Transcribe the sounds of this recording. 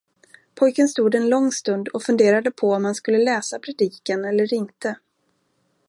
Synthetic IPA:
pʰɔjkənst̪uːd̪ɛnlɔŋːst̪ɵnd̪ɔfɵnd̪eːɾad̪əpʰɔɔmhanskɵlːəlɛːsapʰɾɛd̪iːkanɛlːəɾɪnt̪ə

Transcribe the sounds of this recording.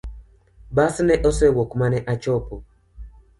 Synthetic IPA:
basnɛʔɔsɛwɔkmanɛʔat͡ʃɔpo

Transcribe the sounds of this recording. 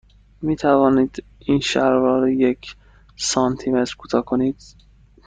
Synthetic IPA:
miːt̪ʰævɒːniːd̪ | inʃæɾɾɒːɾejekʰ | sɒnt̪ʰimet̪ɾkʰuːt̪ʰɒːkʰoniːd̪̥̚

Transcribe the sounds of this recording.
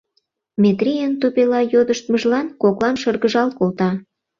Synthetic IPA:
mʲet̪rijent̪opelɑjod̪əʃt̪məʒlɑnkoklɑnʃərɣəʒɑlkolt̪ɑ

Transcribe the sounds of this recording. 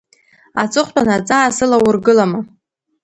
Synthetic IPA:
at͡sʼɨχʷtʷʰʼanat͡sʼaːsɨlawʊrɡɨlama

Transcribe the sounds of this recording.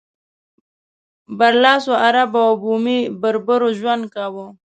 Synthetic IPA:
baɾlɑːsoaɾabawbumibəɾbəɾoʒwand̪̚kawo

